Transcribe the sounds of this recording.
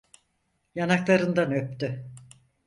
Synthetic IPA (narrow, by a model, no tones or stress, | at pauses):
janaklˠaɾɯnd̪anøp̚t̪y